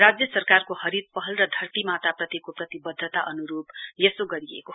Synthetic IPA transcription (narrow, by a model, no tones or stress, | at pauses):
rad͡zjʌsʌrkarkohʌɾid̪̚pʌɦʌlrʌd̪ʱʌrt̪imat̪aprʌt̪jikoprʌt̪ibʌd̪ʱːət̪aʔʌnuɾubjesoɡʌɾiḛko